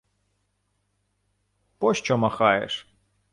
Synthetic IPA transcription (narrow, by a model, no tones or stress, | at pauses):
pɔʃt͡ʃɔmɐxɑjḛʂ